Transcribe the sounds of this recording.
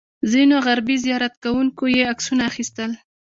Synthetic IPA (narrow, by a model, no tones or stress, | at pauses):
zinoɣaɾbizijɑɾat̪kawuŋkojeaksunaːxist̪əl